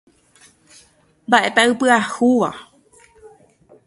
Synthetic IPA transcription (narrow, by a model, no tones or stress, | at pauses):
mbaʔet̪aɨpɨahuʋa̰